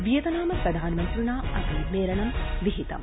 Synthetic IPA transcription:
ʋijɐt̪ɐnaːmɐpɾɐd̪ʱaːnmɐnt̪ɾunaːɐ̰siːmeːɾɐnɐmʋiɦit̪ɐ̰m

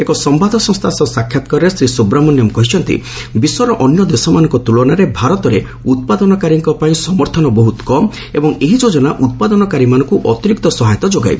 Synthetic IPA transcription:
ekɔsɔmbad̪ʱɔsɔ̃ŋst̪ʰasɔsakʰːjat̪ɔkɔɾesɾisubɾamɔnjɔmkɔɦit͡ʃʰɔnt̪ḭ | bisɔɾɔʔɔnjɔd̪esɔmanɔ̃ŋkɔt̪uɭɔnaɾebʱaɾɔt̪ɔɾe | ut̪̚pad̪ɔnɔkaɾiŋkɔpaĩsɔmɔɾt̪ʰɔnɔbɔɦut̪kɔm | ebɔŋeɦid͡ʒod͡ʒɔnaʔut̪̚pad̪ɔnɔkaɾimanɔŋkuʔɔt̪iɾik̚t̪ɔsɔɦajt̪ɔd͡ʒoɡa̰jbe

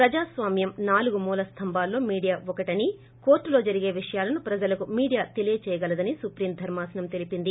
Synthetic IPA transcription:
pɾɐd͡ʒaːsʋaːmjɐmnaːluɡumuːlɐst̪ʰɐmbaːlːo̞ːmiːɽijaːʋɔkɐʈɐni | ko̞ːɾʈːulo̞ːd͡ʒɐɾiɡe̞ːʋiʂɐjaːlɐnupɾɐd͡ʒɐlɐkumiːɽijaːt̪elijɐt͡ʃɛːjɐɡɐlɐd̪ɐnisupɾiːmd̪ʱɐɾmaːsɐnɐmt̪e̞lipind̪i

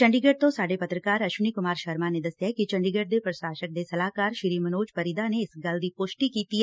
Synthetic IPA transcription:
t͡ʃɐ̃ɳɖiɡeʈ̚t̪õsaːɖepɐt̪ɾəkaːɾɐʃʊnikʊmaːɾʃɐɾmaned̪ɐsjakit͡ʃɐ̃ɳɖiɡeʈ̚d̪epɾəsaːʃək̚d̪esɐlaːkaːɾʃɪɾiːmɐnoːd͡ʒpɐɾid̪aneɪsɡɐld̪ipoʃʈikiːt̪i

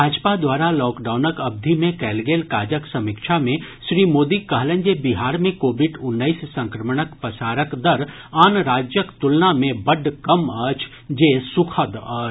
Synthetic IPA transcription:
bʱaːd͡ʒpad̪waːɾalɔːkɖaːʊnəkɐb̚d̪ʱimẽkɛːlɡeːlkaːd͡ʒəksɐmɪkʃʰamẽʃɾiːmoːd̪ikɐɦlə̃ɲd͡ʒebiɦaːɾmẽkoːbɪɖʊnːəissɐ̃ŋkɾəmɽ̃əkpəsaːɾəkd̪əɾ | aːnɾaːd͡ʒjəkt̪ʊlnamẽbɐɖkɐmət͡ʃʰ | d͡ʒeːsʊkʰəd̪əː

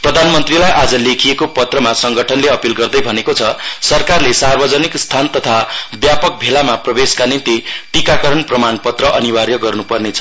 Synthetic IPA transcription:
prʌd̪ʱanmʌnt̪rilajʔad͡zʌlekʰijekopʌt̪rʌmasʌŋɡʱʌʈʰʌnleʌpilɡʌrd̪ʌjbʱʌnekot͡sʰʌsʌrkarlesarbʌd͡zʌnikst̪ʰant̪ʌt̪ʰabjapʌk̚bʱelamaprʌbeskanint̪iʈikakʌɾʌnprʌmanpʌt̪rʌʔʌniwarjʌɡʌrnupʌrnet͡sʰʌ̥

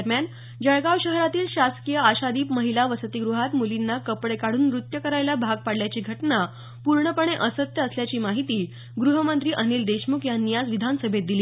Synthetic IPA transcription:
əɾmjan | d͡ʑəɭɡawɕəɦɾat̪iːlɕaskijəaɕad̪iːpməɦilaʋəsət̪iɡɾuɦat̪mulinːakəpɽekaɽuːnɾut̪jəkəɾajljabʱaɡ̚paɽljat͡ɕiːɡʱəʈna | puɾɳəpəɳ̃eʔəsət̪jəəsljat͡ɕiːmaɦit̪iː | ɡɾuɦəmənt̪ɾiːʔəniːld̪eɕmukjanːijad͡zʋid̪ʱansəbʱet̪̚d̪iliː

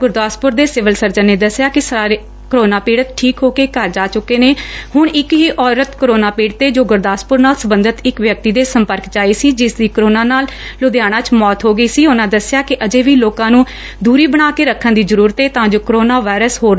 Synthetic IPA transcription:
ɡʊɾd̪aːspʊɾd̪eːsɪʋəlsəɾd͡ʒənːeːd̪əsɪjaːkɪsəaːɾe | kəɾoːnaːpiːɽət̪ʈʰiːkɦoːkeːkəɾd͡ʒaːt͡ʃʊkːeːneːhʊɳɪkɦiːʔɔːɾət̪kəɾoːnaːpiːɽt̪eːd͡ʒoːɡʊɾd̪aːspʊɾnaːlsəbə̃nd̪ət̪ɪkʋjək̚t̪iːd̪eːsəmpəɾkd͡ʒaːiːsiːd͡ʒɪsd̪iːkəɾoːnaːnaːllʊd̪ɪjaːɽ̃ãːt͡ʃmɔːt̪ɦoːɡəiːsiːʊnãːd̪əsɪjaːkɪʔəd͡ʒeːʋiːloːkãːnũː | d̪uːɾiːbəɽ̃aːkeːɾəkʰːə̃nd̪iːzəɾuːɾət̪eːt̪ãːd͡ʒoːkɾoːnaːʋaːɪɾəsɦoː

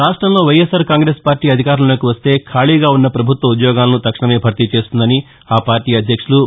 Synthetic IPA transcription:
ɾaːʂʈɾɐmlo̞ːʋɐjesɐɾkaːŋɡɾe̞ːspaːɾʈiːɐd̪ʱikaːɾulɐlo̞ːkiʋɐst̪e̞ːkʰaːɭiːɡaːunːɐpɾɐbʱut̪ʋɐud̪jɔːɡaːlɐnut̪ɐkʂɐɳɐme̞ːbʱɐɾt̪it͡ʃe̞ːst̪und̪ɐni | aːpaːɾʈiːɐd̪ʱjɐkʂulu

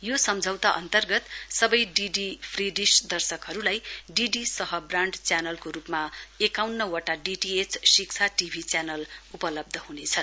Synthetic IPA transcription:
josʌmd͡zʱʌwt̪aʔʌ̰nt̪ʌrɡʌt̪sʌbʌjɖiɖipʰriɖisd̪ʌrsʌkɦʌɾulajɖiɖisʌɦʌbraɳɖt͡sjanʌlkoɾupmaekawnːʌwʌʈaɖiʈiet͡ssikt͡sʰaʈibʱit͡sjanʌlupʌlʌb̚d̪ʱʌɦunet͡sʰʌn

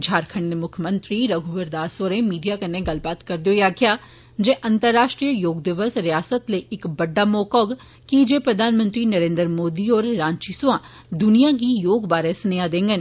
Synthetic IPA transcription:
d͡ʒʱaːɾkʰəɳəmʊkʰjmə̃nt̪ɾiːɾɐɡʱubəɾd̪aːsoːɾẽmiːɖijakəneɡɐlbaːt̪kɐɾd̪jojaːkʰjaː | d͡ʒeʔɐ̃nt̪əɾːaːʃʈɾijəjoːɡd̪ɪʋəsɾɪjaːsət̪leɪkbɐɖːamɔːkɔːɡ | kid͡ʒepɾɐd̪ʱaːnmə̃nt̪ɾinəɾẽːnd̪ɾmoːd̪iɔːɾːãːnt͡ʃisã | d̪ʊnijakijoːɡbaːɾẽsnead̪ẽːŋɡən

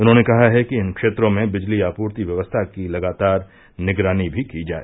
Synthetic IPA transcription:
ʊnɦõːnekɐɦaɦɛkiɪnkʃeːt̪ɾõmẽbɪd͡ʒliaːpuːɾt̪iʋjɐʋəst̪ʰakilɐɡaːt̪aːɾ | nɪɡɾaːnibʱikid͡ʒa̰ːḛː

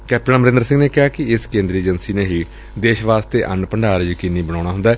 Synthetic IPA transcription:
kɛːp̚ʈənaməɾɪ̃nd̪ɾsɪ̃ŋɡneːkɪɦaːkɪɪskẽːnd̪ɾieːd͡ʒənsiːneːɦiː | d̪eːʃʋaːst̪eːʔənpəɳɖaːɾjəkinːiːbəñaːɽ̃aːɦʊ̃nd̪aːɛː

